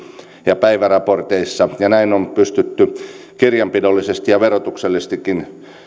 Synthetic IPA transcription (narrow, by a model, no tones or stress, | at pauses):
jɑpæiʋærɑport̪eisːɑjɑnæinompyst̪yt̪ːy | kirjɑmpidolːisest̪ijɑʋerot̪ukselːist̪ikːin